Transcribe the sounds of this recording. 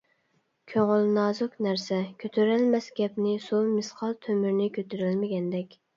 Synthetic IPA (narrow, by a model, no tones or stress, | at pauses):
kʲʰøŋʊlnɑːzʊknæɾsɛkʲʰøt̪ʰøɾælmɛsɡʲɛpnɪsumɪsqʰɑlˠt̪ʰømyɾnɪkʲʰøt̪ʰyɾylmɪɡʲɛnd̪ɛkʲ